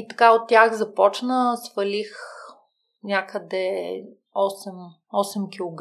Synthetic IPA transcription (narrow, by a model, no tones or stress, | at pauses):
it̪ɐkaot̪̚tːʲjaxzɐpɔt͡ʃnəsfɐlix | nʲakəd̪ɛ | ɔsɛm | ɔsɛmkʲilˠoɡ